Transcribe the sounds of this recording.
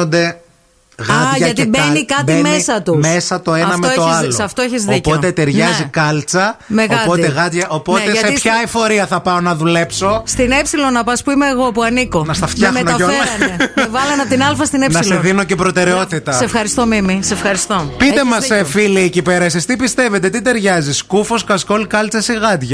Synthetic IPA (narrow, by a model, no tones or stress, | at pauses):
ond̪e̞ | ɣɐt̪ʝɐɐt̪ibnikɐtb̪imesɐt̪umesɐt̪o̞eɐnɐftmeooɐzlosɐft̪oeçizðicpot̪et̪eɾʝnɐzzikɐlt͡sɐmeɣɐpo̞t̪eɣɐt̪ʝɐʔopot̪eʝɐseiçɐefo̞ɾiɐθɐpɐonɐðule̞pso̞st̪inepsilonɐpɐspuimeːɣo̞puɐniko̞nɐst̪ɐft̪çɐmnoonemevɐlɐnɐpt̪inɐlfɐst̪inepnssleðino̞ce̞pɾo̞t̪e̞ɾeo̞t̪it̪ɐssefxɐɾist̪omimisefxɐɾist̪opit̪e̞mɐsefiliːcipe̞ɾɐseist̪ipist̪e̞ve̞t̪e̞t̪it̪e̞ɾʝɐziskufo̞skɐsko̞lkɐlt͡sɐsiɣɐd̪ʝɐ